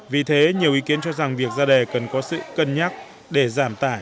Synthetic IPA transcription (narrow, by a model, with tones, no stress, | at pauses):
vi˨˩t̪ʰe˨˦ɲi˨˩əwʔi˨˦ki˨˦ənt͡ɕɔ˧za˨˩ŋvi˨˩ək̚zaː˧ɗe˨˩kə˨˩nkɔ˨˦sɨ̰˧˨kə˧nɲaː˦˥k̚ | ɗe˧˩zaː˧˩mt̪aː˧˩j